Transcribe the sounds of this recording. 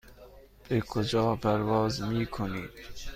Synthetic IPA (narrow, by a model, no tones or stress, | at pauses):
b̥ekʰod͡ʒɒːpʰæɾvɒːzmiːkʰoniːd̪̥